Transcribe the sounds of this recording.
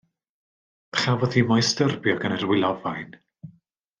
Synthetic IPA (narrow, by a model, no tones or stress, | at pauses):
χavɔðimɔjstərbjɔɡənərwɪlˠɔvajn